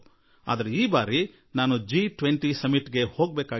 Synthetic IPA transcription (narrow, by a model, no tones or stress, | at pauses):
a̰ːd̪ɐɾeiːbaːɾi | naːnud͡ʒiʈʋeɳʈisɐmiʈɡe̞ho̞ːɡbeːkaː